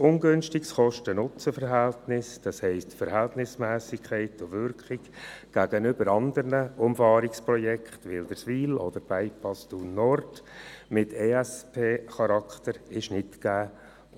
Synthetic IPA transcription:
ʊnɡʏnʃtɪksχɔʃtənʊt͡səfəɾɦɛltnɪsd̥ɑshɛɪstfəɾhɛltnɪsmæːsɪkʰχɛɪtʊʋʏɾkχɪkɡ̥æɡənʏbəɾɑnd̪əɾnəʊmfɑːɾɪkspɾɔjɛkχtʋɪld̥̪əɾsʋiːlɔd̪̥əɾb̥æɪpɑstunɔrtmɪtʰeɛspʰeːχɑɾɑkχt̪əɾɪʃnɪtkæː

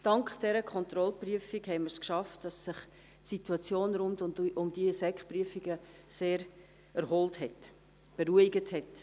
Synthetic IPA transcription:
d̥ɑŋkχd̥ɛɾəkʰχɔnt̪ɾɔlpryəfiɡhɛɪməɾskʃɑftd̥ɑsːɪχ | tsituɑt͡sjoːnɾʊndʊʔʊmd̥iəsɛkχpɾyəfiɡəseːɾ | ɛɾhɔlthɛt | b̥eɾuiɡəthɛt

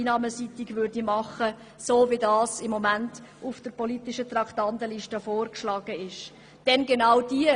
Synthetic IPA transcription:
nɑːməsit̪iɡvʏrdimɑχə | soːvidɑːsɪmːɔmænt | ufd̥əɾpɔlitɪʃət̪rɑktɑntəliʃtəfoːrkʃlɑːɡ̥əɪʃ | d̥ɛnɡenɑwd̥iə

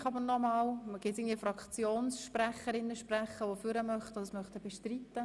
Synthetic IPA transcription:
χɑbəɾnɔmɑːlɡ̥ɪt̪sɪɡŋndviːəfɾɑkt͡sjoːnsʃpræχəɾɪnːəʃpræχəʋofyɾəmœχtodsmœχt̪əbɛʃtrit̪ːə

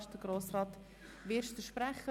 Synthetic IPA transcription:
ʃ̚d̥əɡ̥ɾoːsrɑːt̪ | ʋɪʃtəʃpɾæχːə

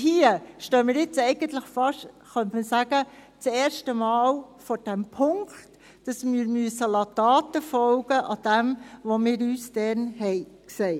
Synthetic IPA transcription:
hiəʃtøːmɪːɾɪt͡sɛɪɡ̥ənt̪ləχfɑʃ | χœntmisæːɡ̥ət͡sɛːɾʃtəmɑːlfɔːɾd̥ɛmpʰʊŋkt | d̥ɑsmiɾmyəsəlɑtɑːtəfɔlɡ̥əʔɑd̥ɛmʋomɪːɾyːsd̥ɛnhɛɪksɛɪ

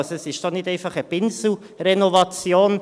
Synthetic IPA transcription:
sɛsɪʃd̥ɔnɪdɛɪnfɑχəbɪnsl̩ | rɛnɔvɑt͡sjoːn

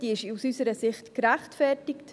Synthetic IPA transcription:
d̥iɪʃusysəɾəsɪχtkɾæχtfɛrtɪkt

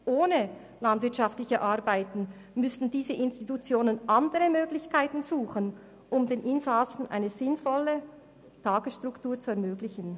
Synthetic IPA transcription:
ʔoːnə | landv̥ɪɐtʃɑftlɪçəʔaʁbaɪtn̩ | mʏstn̩diːzəʔɪnstitut͡sjoːnənʔandəʁəmøːɡlɪçkʰaɪtn̩z̥uːχən | ʔʊmdeːnʔɪnzasn̩ʔa̰ɪnəzɪnfɔlːə | tʰaːɡ̥əsʃtʁ̥ʊktuːɐt͡suɛɐmøːɡlɪçən̩

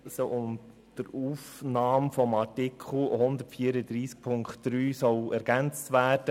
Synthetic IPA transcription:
soʔʊn | d̥əɾuːfnɑːmfɔmɑtikʰl̩hʊnd̪ətfiəɾəd̪ɾiːsk̚pʰʊŋkχtːɾyːsɔlæɾɡ̥ænt͡stʋæːɾd̥ə

